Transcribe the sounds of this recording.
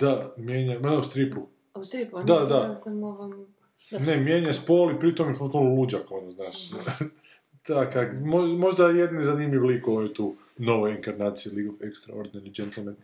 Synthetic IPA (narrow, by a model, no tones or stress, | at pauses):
d̪̥amjeːɲamad̪aust̪ɾipu | id̪ad̪a | nemjeːɲaspoːlipɾit̪omjepot̪̚punolud͡ʒakonoznaːʃ | t̪akakmomoʒd̪ajed̪nizanimʎiʋlikoojut̪uː | no̞ʋojiŋkaɾnaːt̪sijeliɡofekst̪ɾa̰oɾd̪innid͡ʒent̪elˠnet̪